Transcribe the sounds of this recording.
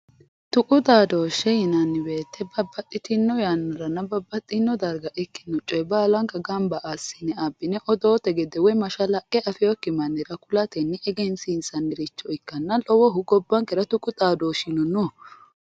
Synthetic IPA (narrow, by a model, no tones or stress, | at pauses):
t̪ʊkʼʊt̪ʼaːd̪oːʃɛjɪnɐnːɪbeːt̪ʰːɛbɐbːɐt̪ʼːɪt̪ɪnːɔjanːɐɾɐnːɐbɐbːɐt̪ʼːɪnːɔd̪ɐɾɡɐʔɛkːɪnːɔt͡ʃʼːɔjbaːlɐŋkɐɡɐmbɐʔasːɪnɛabːɪnɛʔɔd̪oːt̪ɛɡɛd̪ɛwɔmɐʃɐlɐkʼːɛʔɐfɪjɔkːɪmɐnːɛɾɐkʊlɐt̪ɛnːɛɛɡɛnsɪnsɐnːɛɾɪt͡ʃːɔɪkːɐnːɐlɔwɔɦʊɡɔbːɐŋkɛɾɐt̪ʊkʼʊt̪ʼaːd̪oːʃɪnɔnɔ